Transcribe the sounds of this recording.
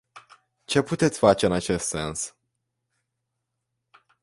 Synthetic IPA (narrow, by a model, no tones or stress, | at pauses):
t͡ʃe̞put̪e̞t̪sʲfat͡ʃe̞ɨnat͡ʃe̞st̪se̞̰ns